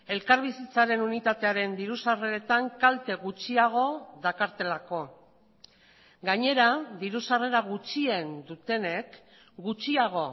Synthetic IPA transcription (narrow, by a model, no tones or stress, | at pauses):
e̞lkaɾβisit͡saɾe̞nunit̪at̪e̞aɾe̞nd̪iɾusare̞ɾe̞t̪aŋkalt̪e̞ɣut͡ʃiaɣ̞o̞ðakaɾt̪e̞lako̞ | ɡaɲe̞ɾaðiɾusare̞ɾaɣ̞ut͡ʃie̞nd̪ut̪e̞ne̞k | ɡut͡ʃiaɣ̞o̞